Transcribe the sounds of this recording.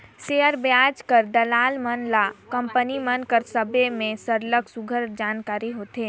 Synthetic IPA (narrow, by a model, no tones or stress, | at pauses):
seːəɾbjaːd͡ʒkəɾd̪ɐlaːlmənlakə̃mpənimənkəɾsəbemẽsəɾləksʊɡʱəɾd͡ʒaːnkaːɾiɦoːt̪eː